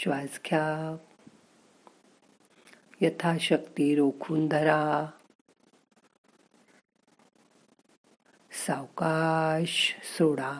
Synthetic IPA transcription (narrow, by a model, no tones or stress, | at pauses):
ɕʋad͡zkʰjak | jɐt̪ʰaɕəkt̪iɾokʰuːnd̪ʱɐɾa | sawkaɕsoɽa